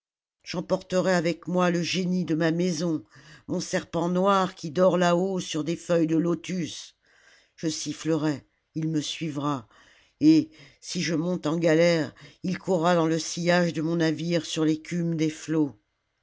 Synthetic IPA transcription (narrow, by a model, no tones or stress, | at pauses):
ʒ̥ɑ̃pɔʁt̪əʁɛavɛkmwaləʒenid̪əmamɛzɔ̃mɔ̃sɛʁpɑ̃nwaʁkʲid̪ɔʁlaosyʁd̪efœjd̪əlot̪ys | ʒ̥əsifləʁɛ | ilməsɥivʁa | e | siʒəmɔ̃t̪ɑ̃ɡalɛʁilkʰuʁːad̪ɑ̃ləsijaʒd̪əmɔ̃naviʁsyʁlekʲʰymd̪eflo